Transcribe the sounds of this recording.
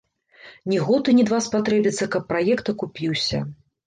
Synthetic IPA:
nʲiɣɔt̪ɨnʲid̪vaspat̪ɾɛbʲit̪sːɐkɐpːɾajɛkt̪ɐkupʲiwsʲɐ̰

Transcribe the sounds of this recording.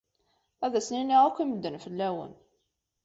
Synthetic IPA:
æðæsninːiʁækʷːiməd̪ːənfəlːæwə̰n

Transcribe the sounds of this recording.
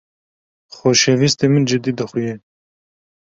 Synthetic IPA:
xoːʃevist̪emɨnd͡ʒɨd̪iːd̪ɨxuje

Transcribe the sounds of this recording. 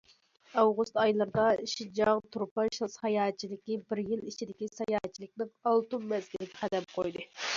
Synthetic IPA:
ɑwʁust̪ɑjlˠɨɾɨd̪ɑʃid͡ʒɑŋt̪ʰuɾpɑʃlˠshɑjɑːt̪̚t͡ʃʰːilɪkʲːibɪɾjilit͡ʃʰid̪ɪkʲisɑjɑːt̪̚t͡ʃʰilˠɪk̚ʲnɪŋɑlˠt̪umːɛzɡʲilɪkʲɛqæd̪ɛp̚qʰojd̪ɨ

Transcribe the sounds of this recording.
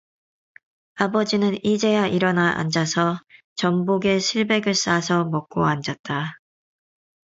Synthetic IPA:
abʌd͡ʑinɯnid͡ʑe̞jaʔiɾʌnaʔa̰nd͡ʑasʰʌ | t͡ɕʌmboɡe̞ɕʰiɭbe̞ɡɯɭs͈asʰʌmʌk̚k͈oand͡ʑat̚t͈a

